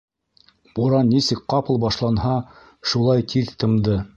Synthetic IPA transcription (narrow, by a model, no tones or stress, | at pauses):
buɾɑnːisɘkqɑpɤ̆lˠbɑʃlˠɑnhɑ | ʃulˠɑjt̪ʰiðt̪ɤ̆md̪ɤ